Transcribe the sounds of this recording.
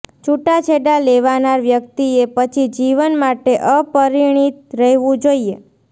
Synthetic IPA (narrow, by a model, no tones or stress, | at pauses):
t͡ʃuʈat͡ʃʰeɖaleʋanaɾʋjəkt̪iepət͡ʃʰid͡ʒiʋənmaʈeʔəpəɾiɽ̃it̪̚ɾəɦeʋũd͡ʒoie